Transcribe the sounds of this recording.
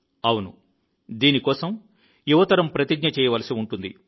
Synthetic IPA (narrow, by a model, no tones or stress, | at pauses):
ɐwunṵ | d̪iːnikɔːsɐm | juʋɐt̪ɐɾɐmpɾɐt̪iɡɲɐt͡ʃɛːjɐʋɐlɐsiuɳʈund̪ḭ